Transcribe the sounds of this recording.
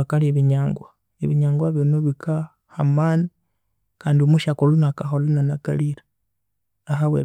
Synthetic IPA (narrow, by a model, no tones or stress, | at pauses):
akalieβiɲaːŋɡwa | eβiɲaːŋɡwaβinoβikʰa | hamaːni | kaːndiomuʃakolunakaxolunanaka̰liɾa | axawḛ